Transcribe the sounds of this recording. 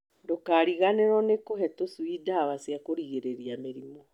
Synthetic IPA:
dokaɾiɣaneɾɔnekoɦɛtosuidawasjakoɾiɣeɾeɾiameɾimɔ

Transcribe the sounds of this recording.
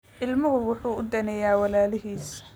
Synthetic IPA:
ʔɪlmʊɣʊwʊħuːʊd̪ɐnɛjaːwɑlaːlɪɦiːs

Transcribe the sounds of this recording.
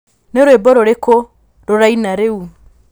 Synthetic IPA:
neɾwebɔɾoɾeko | ɾoɾainaɾeu

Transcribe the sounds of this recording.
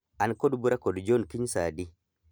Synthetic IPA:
ʔankɔdbuɾakɔdd͡ʒonkiɲsaːdi

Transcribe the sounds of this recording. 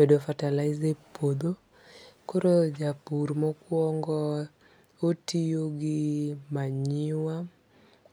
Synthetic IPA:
bedofatalaɪzepod̪o | koɾod͡ʒapuɾmɔkwɔŋɡɔ | otijoɡɪmaɲɪwa

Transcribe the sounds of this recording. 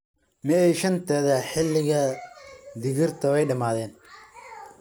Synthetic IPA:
mɛːɛjʃɐnt̪ʰɛːðɐħɪlːɪɣɐ | d̪ɪɣɪrt̪ʰɐwɛjɖɐmaːðɛːn

